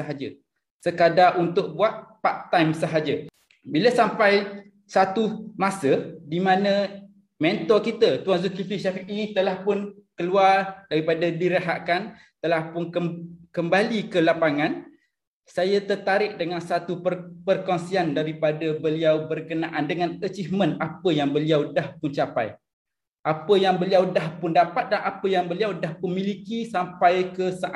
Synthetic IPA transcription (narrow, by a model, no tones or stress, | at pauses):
əɦad͡ʒə | səkadaʔunt̪ʊʔ̚buaʔ̪̚paʔ̚t̪ajmsəɦad͡ʒə | biləsampaj | sat̪umasədimãnə̃ | mɛnt̪ɔrkit̪ət̪uwanzukifiʃafiʔit̪əlahpʊnkəluardaɾipadadiɾəɦaʔkan | t̪əlahpʊnəkəmbalikəlapaŋãn | sajat̪ərt̪aɾɪʔ̚dəŋansat̪upəpərkɔŋsiandaɾipadabəliawbərkənãʔandəŋãnət͡ʃifmə̃napəjaŋbəliawdahpʊnt͡ʃapa̰j | ʔapəjaŋbəliawdahpʊndapat̪̚danapəjaŋbəliawdahpʊnmĩlikisampajkəsaʔ